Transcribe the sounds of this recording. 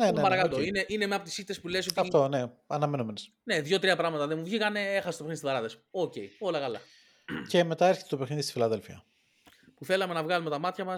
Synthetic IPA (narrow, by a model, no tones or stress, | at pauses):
nepɐɾɐkɐt̪oineʔine̞meɐpot̪i̥sit̪ːe̞spule̞so̞t̪ɐt̪o̞ne̞ɐnɐmenomenes | ne̞ðʝo̞t̪ɾiɐpɾɐɣmɐt̪ɐðemuvʝikɐne̞exɐset̪oexniðisivɐɾɐðesoce̞̰io̞lɐkɐlɐ̰ | ce̞me̞t̪ɐeɾçet̪t̪o̞pe̞xniðist̪ifilɐðe̞lfiɐ̰ | puθe̞lɐme̞nɐvɣɐlume̞t̪ɐmɐt̪çɐmɐs